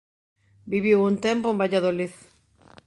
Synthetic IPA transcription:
biβiwunt̪empoembaʎaðoliθ

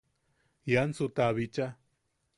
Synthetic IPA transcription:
jansut̪aβit͡ʃa

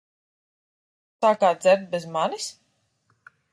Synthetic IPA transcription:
saːkaːd̪zɛɾt̪̚bɛzmanis

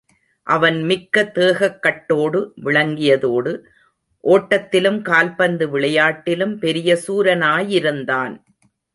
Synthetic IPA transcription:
ʔɐʋɐnmɪkːɐt̪ːeːɣɐkːɐʈːoːɽɯʋɪɭɐŋɡɪjɐðoːɽɯ | ʔoːʈːɐt̪ːɪlɯmkaːlpɐnd̪ɯʋɪɭɐjaːʈːɪlɯmpɛɾɪjɐsuːɾɐnaːjɪɾɯnd̪aːn

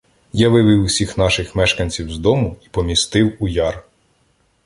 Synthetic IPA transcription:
jɐʋɪʋɪwʊsʲixnɑʃɪxmɛʃkɐnʲt͡sʲiwzd̪ɔmʊi̥pɔmʲist̪ɪwujɑr

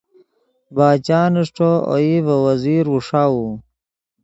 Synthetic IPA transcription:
baːt͡ɕaːniʂʈoo̰ivɐwɐziːɾuʂaːu

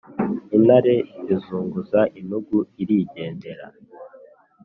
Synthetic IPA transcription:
inaɾe̞zizuːŋɡuzaʔinuɡuiɾiɟe̞ːnde̞ɾa̰

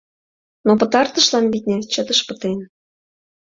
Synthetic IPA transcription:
nopə̆t̪ɑrt̪ə̆ʃlɑnβit̪ʲnʲet͡ɕə̆t̪ə̆ʃpə̆t̪en

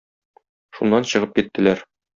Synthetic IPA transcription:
ʃunːɑnɕɤ̆ʁɤp̚kit̪ːɘ̆læɾ

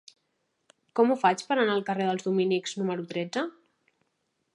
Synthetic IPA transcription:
kɔmufat͡ʃpəɾənaəlˠkəreðəlˠzðuminikz̥numəɾut̪ɾɛd͡zə

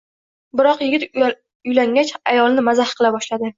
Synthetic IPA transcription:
bɪɾɒqjɪɡʲɪt̪ | ʊjlaŋɡʲat͡ʃajɒlˠnɪmazahqʰɨlabɒʃlad̪ɪ

